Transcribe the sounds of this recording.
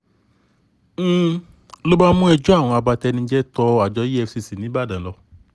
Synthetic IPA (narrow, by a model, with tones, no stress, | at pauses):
lo˦ba˦mũ˦ɛ˧d͡ʒu˦a˦˨w̃ɔ̃˧a˧ba˧tɛ˧nĩ˧˦d͡ʒɛ˦tɔ˧a˨d͡ʒɔ˧˦ji˦ɛ˧fsi˧si˨nĩ˨˦ba˦˨dã˨lɔ˧˦